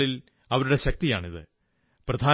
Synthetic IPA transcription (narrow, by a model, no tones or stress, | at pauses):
ɭil | ɐʋɐɾuɽe̞ɕɐk̚t̪ijaːɳiðɨ | prɐd̪ʱaː